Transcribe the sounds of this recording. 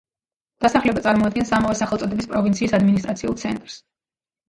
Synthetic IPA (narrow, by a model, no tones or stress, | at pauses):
d̪̥asaχlɛbat̪sʼaɾmɔad̪̚ɡɛnsamɔvɛsaχɛlˠt̪ʼɔd̪ɛbispʼɾɔvint̪sʰiːsad̪minist̪ʼɾat̪sʰiulˠt̪sʰɛ̰nt̪ʼɾs